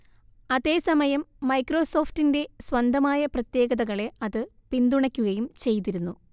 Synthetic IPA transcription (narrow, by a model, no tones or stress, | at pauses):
ɐðe̞ːsɐmɐjɐmːɐjkro̞ːso̞ːftinde̞swɐnd̪ʱɐmaːjɐprɐt̪je̞ːɡɐðɐɣɐɭe̞ɐðɨ | pind̪uɳɐkʲːuɣɐjumt͡ɕe̞jt̪̬iɾunːu